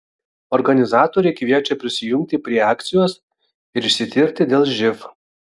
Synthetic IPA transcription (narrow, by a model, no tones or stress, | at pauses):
ɔɾɡɐnʲɪzɑːt̪oːɾʲɛɪkʋʲiɛt͡ʃʲɛpʲɾʲɪsʲɪjʊmʲkʲt̪ʲɪpʲɾʲiɛɑːkt̪sʲɪjoːs | ɪɾɪʃʲsʲɪt̪ʲɪɾʲt̪ʲɪd̪ʲeːlˠʒʲɪf